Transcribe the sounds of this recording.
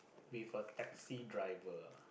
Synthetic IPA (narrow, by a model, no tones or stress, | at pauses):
wivətɛk̚sidɹaɪvə